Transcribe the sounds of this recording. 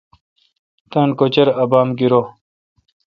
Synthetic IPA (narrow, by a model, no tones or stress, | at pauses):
t̪ɐnkot͡ɕeɾɐbaːmɡiɾo